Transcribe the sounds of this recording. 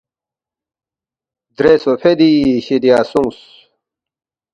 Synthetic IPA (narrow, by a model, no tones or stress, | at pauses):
d̪ɾesopʰed̪iɕid̪ijaːsuŋs